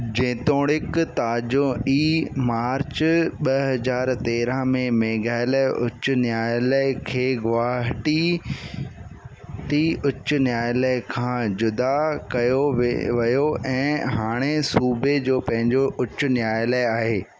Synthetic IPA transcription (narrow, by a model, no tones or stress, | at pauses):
d͡ʑẽːt̪oːɽ̃ɪkt̪aːd͡ʑõʔiːmaːɾt͡ɕɓɐɦɐzaːɾt̪eːɾə̃mẽmeːɡaːɪləʔʊt͡ɕʊ̆njaːjləkʰeːɡʊʋaːɦʈi | ʈiʊt͡ɕʊ̆njaːjləkʰãːd͡ʑʊd̪akɐjoʋɐjoɛ̃ːɦaːɽ̃esuːbed͡ʑoːpɐ̃ɦɪ̃ɲd͡ʑoʔʊt͡ɕːʊ̆njaːjləaːɦeː